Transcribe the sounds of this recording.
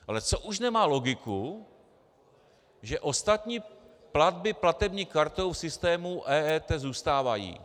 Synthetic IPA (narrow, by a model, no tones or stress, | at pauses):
ʔalɛt͡so̞ʔuʃnɛmaːlo̞ɡɪku | ʒɛʔo̞st̪at̪ɲiː | plad̪̚bɪplat̪ɛbɲiːkaɾt̪o̞wfsɪst̪ɛːmuʔɛːɛːt̪ɛzuːst̪aːvajḭː